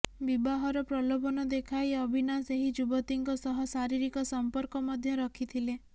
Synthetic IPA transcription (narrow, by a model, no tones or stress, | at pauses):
bibaɦɔɾɔpɾɔlobɔnɔd̪ekʰajɔbʱinaseɦid͡ʒubɔt̪iŋkɔsɔɦɔsaɾiɾikɔsɔmpɔɾkɔmɔd̪ʱjɔɾɔkʰit̪ʰile